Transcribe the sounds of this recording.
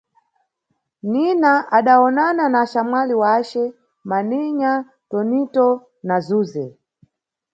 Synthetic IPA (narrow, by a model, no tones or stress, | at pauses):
ninaʔaɗaɔnananaʃamwaliwat͡ʃɛ | maniɲa | tɔnitɔ | nazuːzɛ